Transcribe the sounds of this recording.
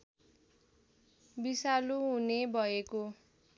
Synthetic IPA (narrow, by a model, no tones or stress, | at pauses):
bisaluɦunebʱʌeko